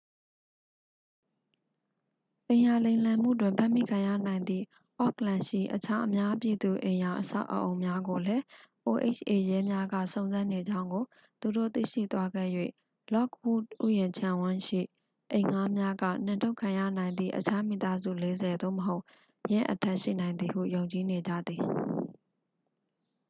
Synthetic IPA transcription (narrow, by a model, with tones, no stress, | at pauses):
ʔẽ˨ɪ̃ja˨lẽ˨ɪ̃lã˨m̥ṵ˦˨dwɪ̃˨mpʰã̰˦˨mḭ˦˨kʰã˨ja̰˦˨nã˨ɪ̃nd̪ðḭ˦˨ | ʔɔ˦klã˨ʃḭ˦˨ʔət͡ɕʰa˦ʔəmja˦pji˨d̪u˨ʔẽ˨ja˨ʔəsa̰˦˨ʔə̰ʔo˨ʊ̃mja˦ɡo˨lɛ˦ʔo˨ʔḛ˦t͡ɕʰʔe˨jɛ˦mja˦ɡä̰˦˨sõ˨ʊ̃nzã˦ne˨d͡ʑã˦ʊ̃ŋɡo˨ | t̪u˨do̰˦˨t̪ḭ˦˨ʃḭ˦˨t̪wa˦ɡɛ̰˦˨jwḛ˦˨ | lɔ˦kwṵ˦˨t̚ʔṵ˦˨jɪ̃˨ɲt͡ɕʰã˨wɪ̃˦ʃḭ˦˨ | ʔẽ˨ɪ̃ŋa˦mja˦ɡä̰˦˨n̥ɪ̃˨nto˦ʊkʰã˨jä̰˦˨nã˨ɪ̃nd̪ðḭ˦˨ʔət͡ɕʰa˦mḭ˦˨t̪a˦zṵ˦˨le˦zɛ˨d̪o̰˦˨məɦo˦ʊʔ | jɪ̃˦ʔətʰɛ˦ʔʃḭ˦˨nã˨ɪ̃nd̪ði˨ɦṵ˦˨jõ˨ʊ̃ɲt͡ɕi˨ne˨d͡ʑä̰˦˨d̪i˨